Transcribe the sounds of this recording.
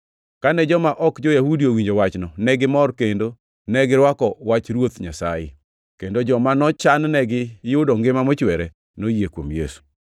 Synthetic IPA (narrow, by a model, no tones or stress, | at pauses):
kanɛd͡ʒɔmaʔɔkd͡ʒojahudiowiɲd͡ʒowat͡ʃnɔnɛɡɪmɔrkendo | nɛɡɪɾwakɔwat͡ʃɾwot̪ɲasajɪ̰ | kendod͡ʒɔmanɔt͡ʃannɛɡɪjʊdɔŋɡɪmamɔt͡ʃwɛɾɛ | nojekwomjḛsu̥